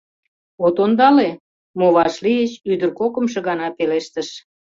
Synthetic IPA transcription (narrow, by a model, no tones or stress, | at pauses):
ot̪ond̪ɑle | moβɑʃlijət͡ɕyd̪ərkokə̆mʃ̬ĕɣɑnɑpeleʃt̪əʃ